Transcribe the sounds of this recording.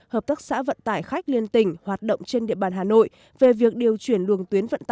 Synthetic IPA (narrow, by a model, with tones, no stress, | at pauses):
həː˨˩p̚t̪ə˦˥k̚sa̰ː˧˥və̰˧˨nt̪aː˧˩jxa˦˥jk̟̚li˧ənt̪ï˧˩ŋ̟hwaː˨˩t̚ɗə̰˧˨wŋ͡mt͡ɕe˧nɗḭ˧˨əɓaː˧˩nɦaː˨˩no̰˧˨j | ve˨˩vi˨˩ək̚ɗi˨˩əwt͡ɕwi˧˩ənlɨ˨˩əŋt̪wi˨˦ənvə̰˧˨nt̪ː